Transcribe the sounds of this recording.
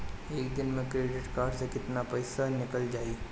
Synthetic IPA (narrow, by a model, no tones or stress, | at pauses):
eːkd̪ɪnmẽkɾeːɖɪʈkaːɾsekɪt̪napɐɪsanɪkəld͡ʒaːiː